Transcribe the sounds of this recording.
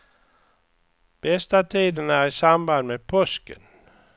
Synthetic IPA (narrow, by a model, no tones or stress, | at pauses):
b̥esd̪̥æt̪ʰiːd̪ənæisɑmbɑnmepʰɔsɡ̥ən